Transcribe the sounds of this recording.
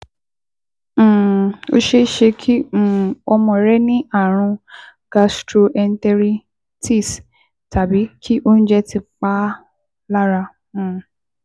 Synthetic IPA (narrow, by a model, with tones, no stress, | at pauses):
o̰˦ʃe˦ʃe˧kʰĩ˦˨ɔ˧mɔ̃˧˨ɾɛ˦nĩ˦ʔa˦˨ɾ̃ũ˧ɡ̥a˧stɾo˧ʔɛ˧n̩˦tɛ˧ɾi˧ | ti˦˨s | ta˨bi˨˦kʰi˦ʔo˦n̩˦d͡ʒɛ˦tʰi˧k͡pa˦ | la˦ɾã˧˨